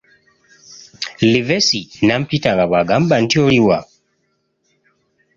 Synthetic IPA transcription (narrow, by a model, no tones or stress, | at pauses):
livɛsinam̩pitaɣabaɡambantiɔɾiwa